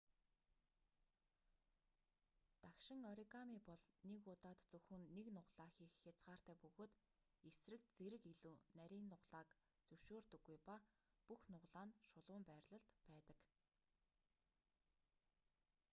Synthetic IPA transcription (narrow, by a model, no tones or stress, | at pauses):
t̪akʃɪ̆ŋɔɾikamiːpɔɮnekʊt̪aːt̪t͡sɵxɵ̆nːeknʊʁɮaːxiːxːat͡sɢaːr̥t̪æːpɵɣoːt̪ | esrɘ̆kt͡seɾɘ̆kiɮuːnæɾʲiːnːʊʁɮaːk | t͡sɵʃoːrt̪ɵ̆ɡːujpa | puxnʊʁɮaːnʃʊɮʊːmpæːrʲɮə̆ɬt̪pæːt̪ə̆k